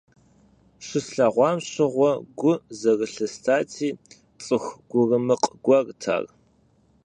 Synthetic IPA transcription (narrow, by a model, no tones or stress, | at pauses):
ɕɪsɬaʁʷɑːmɕɪʁʷɔɡʷʊzɐrɨɬɐstʰaːtʰiː | t͡sʼɨxʷɡʷʊrɨmɨqʼɡʷɐrtʰa̰ːr